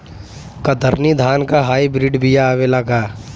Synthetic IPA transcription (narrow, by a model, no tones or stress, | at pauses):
kəd̪əɾnid̪ʱaːnkaɦaːibɾiɖbʱijaːʋelaɡaː